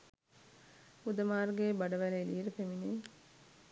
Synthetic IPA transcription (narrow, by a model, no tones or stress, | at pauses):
ud̪ɐmaːrɡeːbɐɖɐʋælɐliːɾɐpemineː